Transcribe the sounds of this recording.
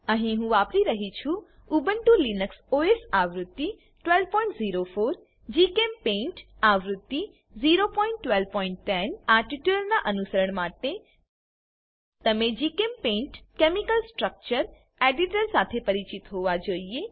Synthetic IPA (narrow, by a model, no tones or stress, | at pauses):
ɐɦẽɦũʋaːpɾiɾɐɦit͡ʃʰu | ubə̃ɳʈulinəksoːesaːʋɾʊt̪ːi | ʈwelpɔ̃ːɪ̃ɳʈziːɾofʰoːɾ | d͡ʒiːkempẽːɳʈaːʋɾʊt̪ːi | ziːɾopɔ̃ːɪ̃ɳʈːʋelʋpɔːɪ̃ɳʈːɛnaːɾʈiʈəlnaʔɐnusəɾəɽ̃maːʈ̪e | t̪ɐmẽd͡ʒiːkempẽːɳʈkeːmikəlsʈɾək̚t͡ʃəɾ | eːɖiʈəɾsaːt̪ʰepɐɾit͡ʃɪt̪ɦoːʋad͡ʒoːie